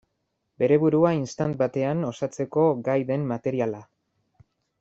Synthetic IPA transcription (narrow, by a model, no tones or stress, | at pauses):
be̞ɾe̞βuɾuainst̪ant̪̚bat̪e̞ano̞sat͡se̞ko̞ɡajðe̞mːat̪e̞ɾiala